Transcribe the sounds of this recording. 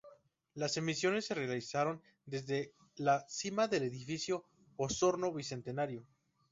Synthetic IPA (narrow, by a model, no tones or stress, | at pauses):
lase̞misjo̞ne̞sːe̞realisaɾo̞n | d̪e̞zðe̞ | lasimaðe̞le̞ðifisjo̞ | oso̞ɾno̞βise̞nt̪e̞naɾjo